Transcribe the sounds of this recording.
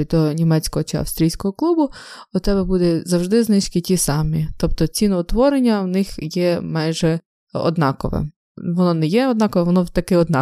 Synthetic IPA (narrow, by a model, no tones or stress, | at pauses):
d̪ɔnʲimɛt͡sʲkɔɦɔt͡ʃɪɐ̰fst̪ɾʲijsʲkɔɦɔklˠubʊ | ʊt̪ɛbɛbud̪ɛzɐwʒd̪ɪznɪʃkɪtʲisɑmʲit̪ɔp̚t̪ɔt͡sʲinɔʊt̪ʋɔɾenʲːɐwnɪxjɛmɑjʒɛ | ɔ̰d̪nɑkɔʋɛ̰m | ʋɔnɔnɛjɛɔd̪nɑkɔʋɛʋɔnɔt̪ɐkɪɔd̪nɑ